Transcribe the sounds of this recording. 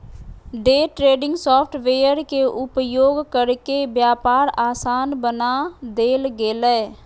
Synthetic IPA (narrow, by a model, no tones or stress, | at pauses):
ɖeːʈɾeːɖɪ̃ŋɡsɔːpʰʈʋeːjəɾkeʔʊpjoːɡkəɾkebjaːpaːɾaːsaːnbənad̪eːlɡeːlɛː